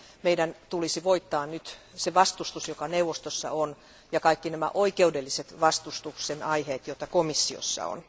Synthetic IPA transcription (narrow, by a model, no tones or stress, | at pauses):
meidænt̪ulisiʋoit̪ːɑːnnyt̪ | seʋɑst̪ust̪usjokɑneuʋost̪osːɑ̰on | jɑkɑikːinæmæ̰ʔoikeudelːiset̪ʋɑst̪ust̪uksenɑiheːt̪jot̪ɑkomisːio̰sːɑ̰o̰n